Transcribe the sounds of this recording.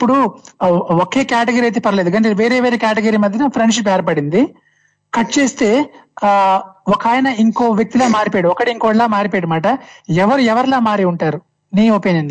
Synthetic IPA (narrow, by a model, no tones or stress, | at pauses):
ipːuɽu | oke̞ːkaːʈeɡɐɾiɐjt̪̬epɐɾɐleːd̪uɡɐnʈeʋe̞ːɾe̞ːʋeːɾeːkaːʈeɡɐɾiːmɐd̪ʱjɐnɐpʰɾeɳɖʂip̬ɛːɾɐpɐɽind̪i | kɐʈt͡ʃe̞ːst̪e̞ː | ɔkaːjɐnɐiŋkoːʋjɐk̚t̪ilaːmaːɾipeːɽuɔkɐʈiiŋkoːɽlaːmaːɾipeːɽumaːʈɐɛʋɐɾuɛʋɐɾlaːmaːɾiuɳʈaːɾu | niːopinɐni